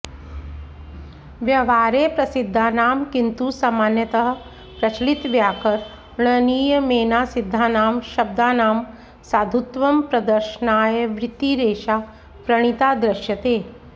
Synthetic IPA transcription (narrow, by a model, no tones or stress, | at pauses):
ʋjɐʋaːɾeːpɾɐsid̪ʱːaːnaːmkint̪uːsamaːnjɐt̪ɐɦɐ̆ | pɾɐt͡ʃlit̪ʋjaːkɐɾ | ɽ̃ɐniːjɐmeːnaːsid̪ʱːaːnaːmʃɐb̚d̪aːnaːm | saːd̪ʱut̪ʋɐmpɾɐd̪ɐɾʃənaːjɐʋɾɪt̪ːiːɾeːʃaː | pɾɐɽ̃it̪aːd̪ɾɐʃjɐt̪eː